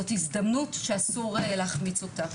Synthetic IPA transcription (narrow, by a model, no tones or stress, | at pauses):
otizdɐmnutʃeasuʁeleaχmit͡so̞ta